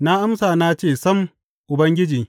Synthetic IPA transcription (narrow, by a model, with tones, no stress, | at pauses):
na˦ʔa˦msaː˨naː˦t͡ʃeː˦˨sɐ˦m | ʔʊ˨bɐ˦ŋɡʲɪ˦d͡ʒi˨